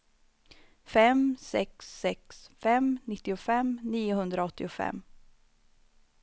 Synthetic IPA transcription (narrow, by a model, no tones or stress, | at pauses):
fɛmsɛksːɛksfɛmnɪt̪ːɪʊfɛmniːʊɦɵnd̪ɾaɔt̪ːɪʊfɛ̰mː